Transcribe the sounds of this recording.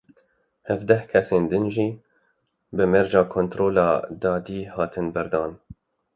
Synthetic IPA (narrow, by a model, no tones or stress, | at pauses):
hɛvd̪ɛhkʰɛseːnd̪ɨnʒiː | bɨmɛɾʒɑːkʰoːnt̪ɾoːlɑ̰ːd̪ɑːd̪iːhɑːt̪ʰɨnbɨɾd̪ɑːn